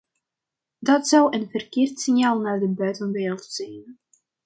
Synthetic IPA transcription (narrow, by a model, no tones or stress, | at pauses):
dɑtsʌwənvərkɪːrtsɪnjaːlˠnaːrdəbœɥtənʋɪlˠtz̥ɛjn